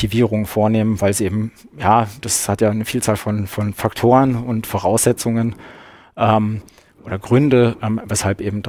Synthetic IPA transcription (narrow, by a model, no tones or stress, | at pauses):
iviːʁʊŋfoːɐneːmənvaɪlzʔeːbm̩jaːd̥ashatjaːnəfiːlt͡saːlfɔnfɔnfaktʰoːʁənʊntfoʁaʊsz̥ɛt͡sʊŋən | ʔɛːm | ʔoːdɐɡʁʏndəʔɛːmvɛshalpʔeːbm̩d̥a